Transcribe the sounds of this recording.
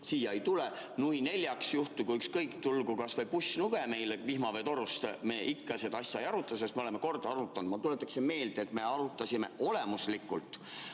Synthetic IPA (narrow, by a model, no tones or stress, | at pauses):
siːjɑejt̪ulenuine̞lʲjɑksjuht̪ukuykskɤjkt̪ulɡ̥ukɑsvɤjpusʲːnuɡ̥eme̞jlevihmɑvet̪o̞ɾust̪me̞ːʔikːɑse̞d̪̥ɑɑsʲːjɑejɑɾut̪ːˑɑsest̪meolemeko̞rd̪̥ɑɑɾut̪ːˑɑnd̪mɑt̪ulet̪ːˑɑksinme̞ːld̪̥et̪me̞ɑɾut̪ːˑɑsime̞̰o̞le̞muslikːˑult̪ˑ